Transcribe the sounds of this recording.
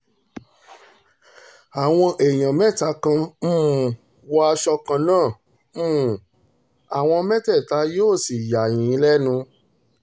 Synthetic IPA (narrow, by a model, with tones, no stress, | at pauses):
a˨w̃ɔ̃˧ʔe˨j̃ã˨mɛ̃˦ta˧˦kã˧m̩̃˦˨ | wɔ˦a˧ʃɔ˧kã˧nãː˦˨ | m̩ː˦˨ | a˨w̃ɔ̃˧mɛ̃˦tɛ˦˨ta˧˦joː˦˨si˨ja˨jĩ˨ĩ˨˦lɛ˦nũ˧